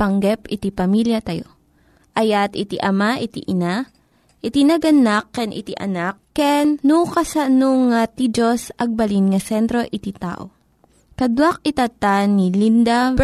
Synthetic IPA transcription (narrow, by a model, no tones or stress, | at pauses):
pɐŋɡɛpɪt̪ipɐmiljɐt̪ɐjo̰ | ʔɐjat̪ɪt̪iʔɐmaʔɪt̪ḭʔɪna | ʔɪt̪inɐɡɐnakːɛnʔɪ̰t̪iʔɐ̰nakːɛnːukɐsɐnoŋːat̪id͡ʒosʔɐɡ̚bɐlinŋɐsɛnt̪ɾo̞ʔɪt̪it̪a̰ːʔo̰ | kɐd̪wak̚it̪at̪anilind̪a